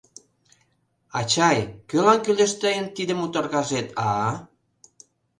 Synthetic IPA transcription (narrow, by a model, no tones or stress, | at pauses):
ɑt͡ɕɑjkølɑnkylʲĕʃt̪ejənt̪id̪ə̆mut̪orɣɑʒet̪ʰɑ